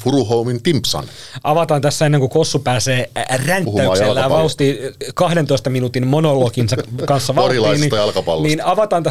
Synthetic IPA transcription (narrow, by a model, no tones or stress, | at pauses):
fuɾuhoumint̪impsɑ̰n | ʔɑʋɑt̪ɑːnt̪æsːæenːeŋkukosːupæːseːrænt̪ːæykselːæjɑʋɑut̪ːˑiːkɑhdent̪oist̪ɑminut̪immonolokinsɑkɑnsːɑʋɑorilɑisnenit̪jɑlkɑpɑ̰lniːnɑʋɑt̪ɑːnt̪æ